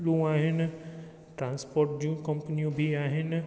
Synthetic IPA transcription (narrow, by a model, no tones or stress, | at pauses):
lũːaːɦɪn | ʈɾãːnspoːɾʈ̚d͡ʒũːkə̃mpənijõbʱiaːɦɪn